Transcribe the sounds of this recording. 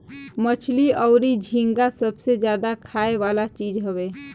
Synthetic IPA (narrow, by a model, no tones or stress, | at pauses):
mət͡ʃʰliɔːɾid͡ʒʱĩŋɡasəbsed͡ʒjaːd̪akʰaːeʋaːlat͡ʃiːd͡ʒɦəʋeː